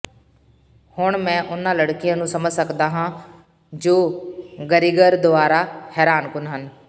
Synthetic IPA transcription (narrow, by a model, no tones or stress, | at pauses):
hʊɳmɛ̃ːʔʊnãːləɽkɪjãːnũːsəməd͡ʒsəkd̪aːɦãː | d͡ʒoːɡəɾiːɡəɾd̪ʊaːɾaːhɛːɾaːnkʊnɦən